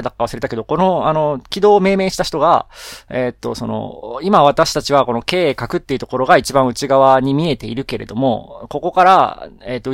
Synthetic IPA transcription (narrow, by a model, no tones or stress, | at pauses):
d̪akːaβasɨɾe̞t̪ake̞d̪o̞ko̞no̞ano̞kʲid̪o̞ːme̞ːme̞ːɕi̥t̪açi̥t̪o̞ɡa̰et̪ːo̞̰so̞̰no̞̰imaβ̞at̪aɕi̥t̪at͡ɕiβako̞no̞ke̞ːkakɯ̟t̪ːe̞iɯ̟t̪o̞ko̞ɾo̞ɡait͡ɕibãɰ̃ɯ̟t͡ɕiɡaβaɲ̟imʲie̞t̪e̞iɾɯ̟ke̞ɾe̞d̪o̞̰mo̞̰ko̞ko̞kaɾaeːt̪ːo